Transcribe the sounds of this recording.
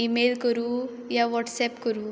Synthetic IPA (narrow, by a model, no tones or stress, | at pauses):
imelkəɾu | jaʋɔʈsɛpkəɾuː